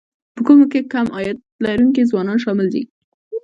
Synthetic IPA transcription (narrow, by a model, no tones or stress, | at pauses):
pəkumokekamʔɑjat̪ | laɾuŋk̬izwɑnɑnʃɑmɪld̪ḭ